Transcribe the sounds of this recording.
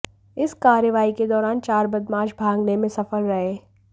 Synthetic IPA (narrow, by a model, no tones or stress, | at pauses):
ɪskaːɾjəʋaːiked̪ɔːɾaːnt͡ʃaːɾbɐd̪maːd͡ʒbʱãːŋɡnemẽsɐfəlɾɐɦeː